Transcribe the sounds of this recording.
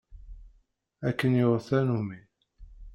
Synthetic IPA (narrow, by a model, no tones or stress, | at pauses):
ækːənjoʁθænumi